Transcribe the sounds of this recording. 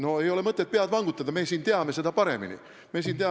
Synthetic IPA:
noejo̞lemɤt̪ːet̪̚peɑt̪ʋɑŋɡ̥ut̪ːˑɑd̪ɑmeːsiːnt̪eɑmːesed̪æpɑɾḛmːḭnḭ | mesiːnt̪eɑ

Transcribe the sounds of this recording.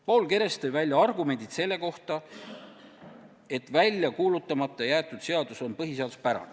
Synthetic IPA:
po̞ːlke̞ɾe̞st̪ejvælʲjɑɑrɡume̞nʲd̪̥it̪se̞lːe̞ko̞ht̪ɑ | e̞t̪ːvælʲjɑkuːlut̪ːˑɑmɑt̪ˑːɑjæːt̪ːˑud̪̥se̞ɑd̪̥uso̞npɤɦise̞ɑd̪̥uspæɾɑ̰n

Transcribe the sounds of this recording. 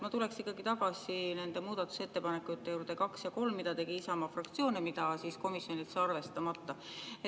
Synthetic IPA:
mɑt̪ule̞ksikˑːɑɡit̪ɑɡ̥ɑsine̞nd̪̥e̞muːd̪̥ɑt̪ːˑu̥se̞t̪ːe̞pɑnekːˑut̪ːejuːɾd̪̥e̞kɑksjɑko̞lmːid̪ɑt̪e̞ɡ̥iisɑmɑfrɑkt̪sioːnemid̪ɑsisko̞misjo̞nit̪sɑɑrve̞st̪ɑmɑt̪ːɑe

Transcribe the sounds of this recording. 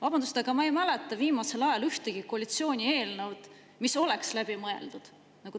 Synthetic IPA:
vɑbɑnd̪ust̪ɑɡ̥ɑmɑejmælɛt̪ːˑɑviːmɑse̞lɑjɑlyht̪eɡ̥ikoɑlit̪sio̞ːnʲie̞ːlnɤwd̪̥ | miso̞le̞kslæb̥imɤḛld̪̥ud̪̥ | nɑɡ̥u

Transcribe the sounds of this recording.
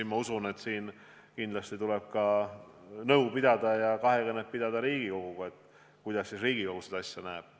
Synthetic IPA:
imɑusune̞t̪siːn | kind̪lɑst̪it̪ule̞b̥̚kɑ | nɤuwpid̪̥ɑd̪̥ɑjɑkɑɦe̞kenːeppid̪̥ɑd̪ɑɾiːɡ̥iko̞ɡ̥uɡ̥ue̞t̪ːˑ | kujd̪̥ɑsːisriːɡ̥iko̞ɡ̥used̪̥ɑsʲjɑnæeb̥̚

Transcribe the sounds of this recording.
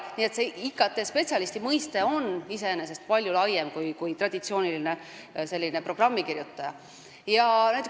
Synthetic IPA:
niːe̞t̪seikːˑɑt̪ːˑe̞spe̞t̪sʲɑlist̪imɤjst̪e̞o̞nːise̞enese̞st̪̚pɑlʲjulɑjemkujkujt̪rɑd̪̥ʲit̪sio̞ːnʲiline̞ | se̞lʲːine̞pro̞ɡ̥rɑmːikirjut̪ˑːɑjɑ | jɑnæjt̪ːˑe

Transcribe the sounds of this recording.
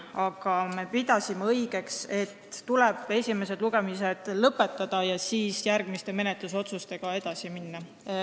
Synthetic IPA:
ɑɡ̥ɑme̞pid̪̥ɑsimeɤjɡ̥e̞kse̞t̪ːulɛb̥e̞sʲime̞se̞d̥̪luɡ̥e̞mise̞d̪̥lɤpːˑe̞t̪ˑːɑd̪̥ɑjɑsiːsjærɡ̥mist̪e̞me̞net̪ˑluso̞t̪sust̪e̞ɡ̥ɑe̞d̪̥ɑsiminːɑ

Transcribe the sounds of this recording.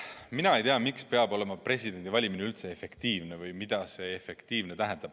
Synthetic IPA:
minɑejt̪eɑmikspeɑbo̞le̞mɑpre̞sʲid̪̥e̞nd̪ivɑlʲimineylt̪se̞efe̞kt̪iːvne̞vɯjmid̪̥ɑse̞efe̞kt̪iːvne̞t̪æɦɛ̃nd̪̥ɑb̥

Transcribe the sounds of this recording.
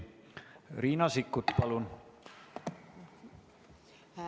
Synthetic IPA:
riːnɑsikːut̪pɑlun

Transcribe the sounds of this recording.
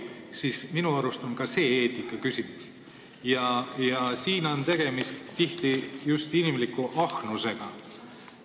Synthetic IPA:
siːsminuɑɾust̪onkɑse̞ːeːt̪ːˑikːˑɑkysimus | jɑjɑsiːno̞nt̪e̞ɡ̥e̞mist̪ːiht̪ijust̪inimlikːuʔɑxnuse̞ɡ̥ɑ

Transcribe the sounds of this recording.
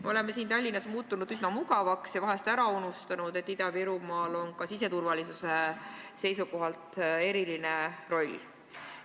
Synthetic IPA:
meo̞le̞mːesiːnt̪ɑlʲːinɑsmuːt̪ːˑunud̪̥ysnɑmuɡɑvɑksjɑvɑɦe̞st̪æɾɑunust̪ɑnud̪̥e̞t̪ːid̪ɑviɾumɑːlo̞nkɑsis̬e̞t̪urvɑlisuse̞ | se̞jsuko̞ɦɑlt̪ˑe̞ɾiline̞ro̞lʲ

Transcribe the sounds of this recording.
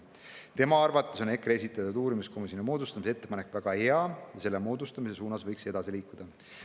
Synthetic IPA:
t̪e̞mɑɑrvɑt̪ːˑeso̞ne̞kːre̞s̬it̪ːˑɑt̪ːud̪̥uːɾimiskʰo̞mis̬jonimo̞ːd̪ust̪ɑmis̬ee̞t̪ːe̞pɑne̞kːˑvæɡ̥ɑhe̞ɑjɑse̞lːemo̞ːd̪ust̪ɑmis̬e̞suːnɑsvɤjkse̞d̪̥ɑsiliːkːˑud̪̥ɑ

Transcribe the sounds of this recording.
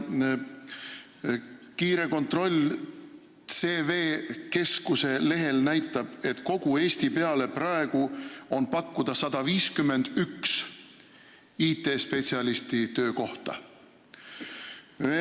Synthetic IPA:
kiːɾe̞ko̞nt̪ro̞lʲ | se̞ːve̞ːke̞skuse̞le̞ɦe̞lnæjt̪ˑːɑb̥e̞t̪ˑko̞ɡ̥ue̞ːst̪ipe̞ɑle̞prɑeɡ̥uo̞npɑkːud̪̥ɑsɑd̪̥ɑviːskymːe̞nd̪̥yks | iːt̪ːe̞ːspe̞t̪ʲsiɑlist̪it̪øːko̞ht̪ɑ̰

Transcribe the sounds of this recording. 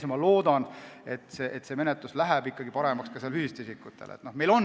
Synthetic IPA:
smɑlo̞ːd̪̥ɑne̞t̪ːˑseʔet̪ːse̞ːme̞net̪luslæɦæbikːˑɑɡ̥ipɑɾemɑkskɑselhyhist̪isikːˑut̪ːˑelḛt̪no̞hme̞jlo̞n

